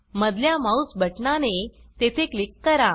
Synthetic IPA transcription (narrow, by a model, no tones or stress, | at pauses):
məd̪ʱljamausbʱəʈnanet̪et̪ʰeklikːəɾa